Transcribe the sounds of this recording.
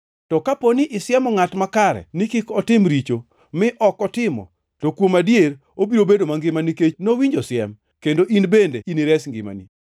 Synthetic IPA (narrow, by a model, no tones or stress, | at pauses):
tɔkaponiʔɪsɪɛmɔŋatmakaɾɛ̰nikɪkɔtɪmɾit͡ʃo | mɪʔɔkɔtɪmɔ̰ | tokwomadjeɾ | obiɾobedomaŋɡɪmanikenowiɲd͡ʒɔsjɛ̰m | kendoʔinbendeʔiniɾɛsŋɡɪ̰ma̰nḭ